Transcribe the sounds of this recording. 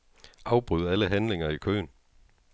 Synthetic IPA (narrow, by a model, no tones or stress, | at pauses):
ʔɑ̈ʊb̥ʁyðˠæləɦænle̝ŋɐikʰø̰ːn